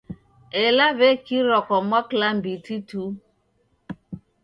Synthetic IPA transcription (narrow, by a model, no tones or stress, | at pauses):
elaβekiɾɔkɔmwaklambititu